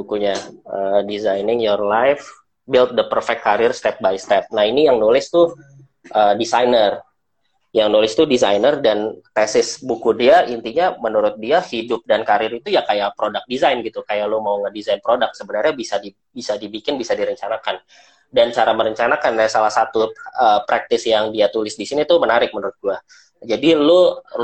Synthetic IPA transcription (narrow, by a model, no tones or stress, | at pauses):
bukuɲaəːdizajnɪŋjɔrlajf | bɪlt̪̚dəpərfɛkːaɾɪrst̪ɛp̚bajst̪ɛp̚nainijaŋnulɪst̪u | ʔədisajnər | jaŋnulɪst̪udizajnərdant̪ɛsɪsbukudiaʔint̪iɲamənuɾʊt̪̚diahidʊp̚dankaɾɪɾit̪ujakajapɾodak̚dizajnɡit̪ukajalʊmauŋədizajnpɾodak̚səbənarɲabisadi | bisadibikɪnbisadiɾəɲt͡ʃanakan | dant͡ʃaɾaməɾəɲt͡ʃanakanasalahsat̪uəːpɾak̚t̪ɪsjaŋdiat̪ulɪsdisinit̪ʊmənaɾɪk̚mənuɾʊt̪̚ɡua | d͡ʒadilo